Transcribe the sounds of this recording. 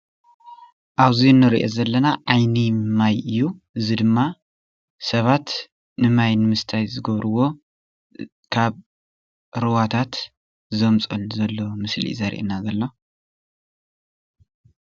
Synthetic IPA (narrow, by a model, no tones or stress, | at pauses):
ʔaβzinːɨɾḭʔozɐlːɐnaʕajnimajɨjːuʔɨzid̪ɨmːa | sɐβat̪ | nɨmajnɨmɨst̪ʰajzɨɡɐβɾɨwo̞ | kʰaβ | ɾɨwat̪ʰat̪ | zɐmt͡sʼɐlzɐlːo̞mɨslḭzɐɾḭʔnazɐlːo̞